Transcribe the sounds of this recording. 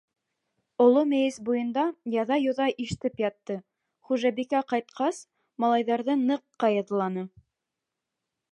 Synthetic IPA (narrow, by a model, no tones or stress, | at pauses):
ŏlˠomæjɘsbujɤ̆nd̪ɑjɑðɑjŏðɑʔiʃt̪ɘpjɑt̪ːɤ | χuʒæbikæqɑjt̪̚qʰɑs | mɑlˠɑjðɑɾðɤnɤ̆qːɑjɑðɤ̆lˠɑnɤ